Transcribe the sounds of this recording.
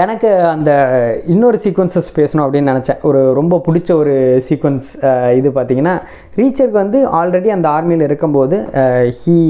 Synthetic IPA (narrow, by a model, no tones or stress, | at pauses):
ɛnɐkːɯɐnd̪ɐɪnːoɾɯsiːkʋɐnsɐspeːsɐɳʊ̃ːɐpːɐɽɪnːɯnɪnɛt͡ʃːɛ̰̃ːʔɔɾɯɾɔmbɐpʊɽɪt͡ʃːɐɔɾɯsiːkʋɐnsɪðɯpaːɾt̪iːŋɡɐnːaː | ɾiːt͡ʃːɐɾkɯʋɐnd̪ɯaːlɾɛɽiɐnd̪ɐaːɾmɐjɪlɪɾɯkːɯmpoːðɯhiː